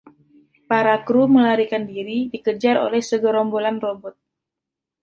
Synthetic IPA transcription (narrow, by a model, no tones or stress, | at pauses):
paɾakɾuməlaɾikandiɾidikəd͡ʒaɾo̰lɛhsəɡɔɾɔmbolanrɔbɔt̪̚